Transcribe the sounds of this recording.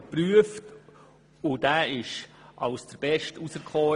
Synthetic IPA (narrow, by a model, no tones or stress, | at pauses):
pɾyəft | ʊdæːɪʃʔɑʊsd̥əɾb̥ɛʃtusəɾkχɔː